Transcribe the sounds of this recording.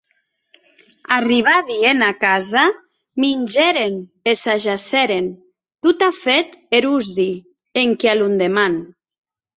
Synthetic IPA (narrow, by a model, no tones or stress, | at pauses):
ariβ̞aðienakaza | minʲd͡ʒeɾenesaʒasɛɾen | t̪ut̪afet̪eɾuzi | eŋkealund̪eman